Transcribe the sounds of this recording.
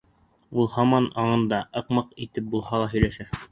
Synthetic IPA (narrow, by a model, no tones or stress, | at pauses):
ulˠhɑmɑnɑɴɤ̆nd̪ɑʔɤ̆qmɤqit̪ɘp̚bulˠhɑlˠɑɦɵ̆jlæʃæ